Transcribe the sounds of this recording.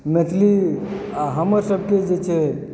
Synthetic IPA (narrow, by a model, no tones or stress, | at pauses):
met̪ʰli | ɦəməɾsəb̚ʱked͡ʒet͡ʃʰe